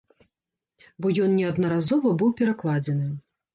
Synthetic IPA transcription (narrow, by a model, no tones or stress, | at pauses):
bɔjɔnnʲɛɐd̪nɐɾazɔvɐbɨwpʲɛɾaklˠad͡zʲɛnɨ